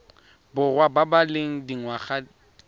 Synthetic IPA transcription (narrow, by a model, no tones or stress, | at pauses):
bʊrwababaleŋ̩diŋwaχa